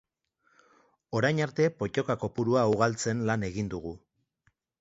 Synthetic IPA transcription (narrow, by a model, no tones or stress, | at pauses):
o̞ɾajɲaɾt̪e̞po̞co̞kako̞puɾuauɣalt͡se̞nlane̞ɣind̪uɣu